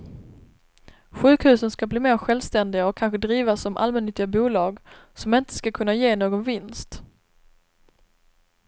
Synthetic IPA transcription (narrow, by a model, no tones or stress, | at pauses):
ɧʉ̟ːkhʉ̟ːsənskabliːmeːɾɧɛlvst̪ɛnd̪ɪɡaɔkʰːanɧəd̪ɾiːvasɔmʔa̰lmɛnːʏt̪ːɪɡabuːlɑːɡsɔmɪnt̪ə̥skakʰɵnːajeːnoːɡɔnvɪnst̪